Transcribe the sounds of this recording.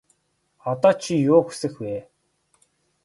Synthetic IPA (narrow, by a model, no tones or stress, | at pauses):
ɔt̪ɔːt͡ɕʰijʊːxu̥sɘ̆xweː